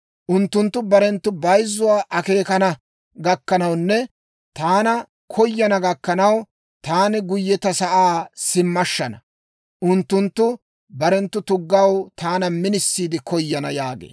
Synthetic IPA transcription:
ʔʊnt̪ːʊnt̪ːʊbɐɾɛnt̪ːʊbɐjzːʊwaːʔɐke̞ːkɐnɐ | ɡɐkːɐnɐwnːɛ | t̪aːnɐ | kʰɔjːɐnɐɡɐkːɐnɐw | t̪aːnɪɡʊjːɛt̪ɐsɐʔaːsɪmːɐʃːɐnɐ | ʔʊnt̪ːʊnt̪ːʊ | bɐɾɛnt̪ːʊt̪ʊɡːɐwt̪aːnɐmɪnɪsːiːd̪ɪkʰɔjːɐnɐ̰jaːɡḛː

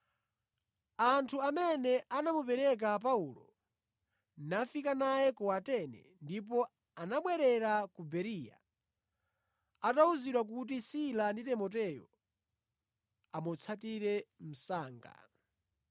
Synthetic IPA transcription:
antʰuamɛnɛʔanamupɛɾɛk̬ap̬aulɔ | nafikanajɛkɔwatɛnɛ̰ndip̬ɔ | anaɓwɛɾɛɾakubɛɾija̰ | atauziɗwak̬ut̬isilanditɛmɔt̬ɛjɔ̰ | amɔt͡sʰatiɾɛm̩saːŋɡa̰

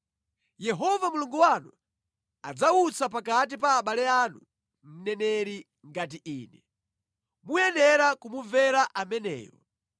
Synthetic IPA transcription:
jɛɦɔvamuluŋɡuwanu | a̰d͡zaut͡sap̬akat̬ipaːɓalɛanu | m̩nɛnɛɾi | ŋɡat̬iʔiːnɛ | mujɛnɛɾakumuvɛɾaʔamɛnɛ̰ːjɔ̰

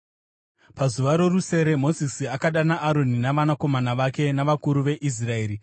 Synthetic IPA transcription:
pazuʋaɾo̞ruse̞ɾe̞mo̞zisiakaɗanaʔːɾo̞ninaʋanako̞manaʋake̞naʋakuɾuʋe̞ʔis̬rae̞ːɾi

